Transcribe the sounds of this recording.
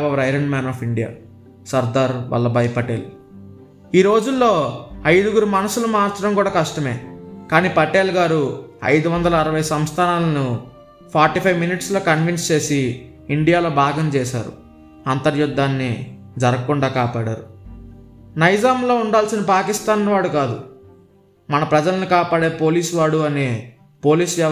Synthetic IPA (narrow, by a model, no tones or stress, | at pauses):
bɐʋɐɾɐjɾeɳɖmaːnɔːpiɳɖija̰ː | sɐɾd̪aːɾʋɐ̰lːɐbɐjpɐʈeːl | iːɾo̞ːd͡ʒulːo̞ːɐjd̪uɡuɾumɐnɐsulɐmaːɾt͡ʃɐɾɐmkuːɽaːkɐʂʈɐme̞ːkaːniːpɐʈeːlɡaːɾuɐ̰jd̪uʋɐnd̪ɐlɐːɾɐʋɐjsɐmst̪ʰaːnaːlɐnu | pʰaːɾʈipʰɐjʋminiʈslo̞ːkɐnʋinst͡ʃe̞ːsiː | ɳɖijaːlo̞ːbʱaːɡɐmt͡ʃɛːʃa̰ːɾṵ | ɐnt̪ɐɾjud̪ːaːnːi | d͡ʒɐɾɐkuɳɖaːkaːpaːɽa̰ːɾu | nɐjd͡ʒaːmlo̞ːuɳɖaːlsinɐpaːkist̪aːnʋaːɽukaːd̪ṵ | mɐnɐpɾɐd͡ʒɐlɐnikaːpaːɽe̞ːpo̞ːliːsuʋaːɽuɐne | po̞ːliːsʋjɛː